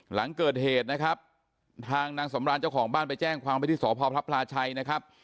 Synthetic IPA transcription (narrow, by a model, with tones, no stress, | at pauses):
la˩˦ŋkɤː˨˩t̪̚heː˨˩t̪̚na˦˥kʰa˦˥p̚ | t̪ʰaː˧ŋnaː˧ŋsa˩˦mɾaː˧nt͡ɕa˥˩wkʰɔː˩˦ŋbaː˥˩npa˧jt͡ɕɛː˥˩ŋkʰwaː˧mpa˧t̪ʰiː˥˩sɔː˩˦pʰɔː˧pʰla˦˥pʰlaː˧t͡ɕʰa˧jna˦˥kʰa˦˥p̚